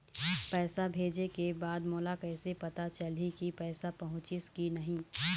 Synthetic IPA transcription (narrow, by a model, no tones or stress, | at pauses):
pɛːsabʱeːd͡ʒekebaːd̪moːlakɛːsepɐt̪at͡ʃɐlikipɛːsapɐɦʊ̃t͡ʃɪskinɐɦĩː